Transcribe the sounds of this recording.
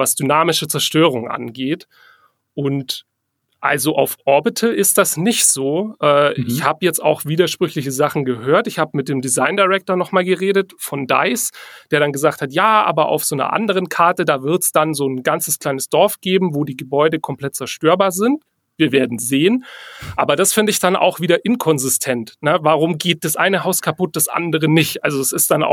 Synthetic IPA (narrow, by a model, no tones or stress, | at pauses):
vasd̥ynaːmɪʃət͡sɛɐʃtøːʁ̞ʊŋʔa̰nɡeːt | ʔʊnt | ʔa̰lzoʔaʊfʔɔɐbɪtʰəɪst̚d̥asnɪçtz̥oːʔɛːɪçhaːbəjɛt͡sta̰ʊxv̥iːdɐʃpʁ̥ʏçlɪçəzaχn̩ɡəɦøːɐtɪçhaːbəmɪt̚d̥eːmdizaɪndaɪʁɛk̚toɐnɔχmaːlɡəʁeːdətfɔnda̰ɪsd̥eːɐɾanɡəzaːk̚thatjaːʔa̰ːbɐʔa̰ʊfz̥oːnɐ̰ʔa̰ndəʁ̞ənkʰaɐtədaːvɪɐtsd̥anzoːnɡant͡səskl̥aɪnəsd̥ɔɐfɡ̥eːbm̩voːdiːɡəbɔʏdəkʰɔmpl̥ɛt̚t͡sɛɐʃtøːɐbaːɐzɪnt | v̥iːɐveːɐdn̩zeːənʔa̰ːbɐdasfɪndəɪçd̥anʔa̰ʊxv̥iːdɐʔɪnkʰɔnzɪstʰɛntnəvaːʁ̞ʊmɡeːt̚d̥asʔa̰ɪnəɦaʊskʰapʊt̚d̥asʔa̰ndəʁ̞ənɪçtʔalzoɛsɪst̚d̥anʔa̰ʊ